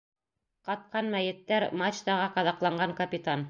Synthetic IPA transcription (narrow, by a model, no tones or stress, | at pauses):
qɑt̪̚qɑnmæjɘ̆t̪ːæɾmɑt͡ɕt̪ɑʁɑqɑðɑqlˠɑɴɢɑŋkɐpʲit̪an